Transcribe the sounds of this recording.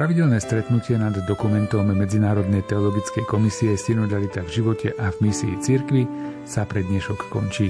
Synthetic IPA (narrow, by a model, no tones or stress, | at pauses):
ɾaʋiɟɛlnɛːst̪ɾɛt̪nucɪɛnad̪ːɔkumɛnt̪ɔmːɛd͡zinaːɾɔd̪nɛjt̪ɛɔlɔɡit͡skɛjkɔmisiɛscinɔd̪alit̪avʒiʋɔcɛʔavmisḭːt͡siɾkʋi | sapɾɛd̪ɲɛʃɔkːkɔ̰nt͡ʃiː